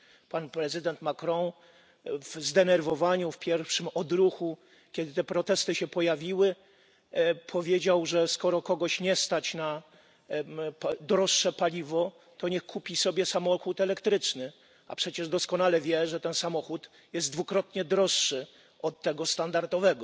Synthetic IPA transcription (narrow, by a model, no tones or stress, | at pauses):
panpɾɛzɨd̪ɛnt̪makɾɔ̃w̃ | vzd̪ɛnɛɾvɔvaɲufpʲjɛɾfʂɘmɔd̪ɾuxu | kʲɛd̪ɘt̪ɛpɾɔt̪ɛst̪ɘɕɛpɔjavʲiwɘ | pʰɔvʲjed͡ʑawʐɛskɔɾɔkɔɡɔɕɲɛst̪at͡ɕna | d̪ɾɔʂːɛpalʲivɔ | t̪ɔɲɛxkʰupʲisɔbʲjɛsamɔxut̪ɛlɛkt̪ɾɘt͡ʂnɘ | a̰pʂɛt͡ɕɛʐd̪ɔskɔnalɛvʲjɛʐɛt̪ɛnsamɔxut̪ | jɛzd̪d̪vukɾɔt̪ɲɛd̪ɾɔʂːɘ | ɔt̪ːɛɡɔst̪and̪aɾd̪ɔvɛɡɔ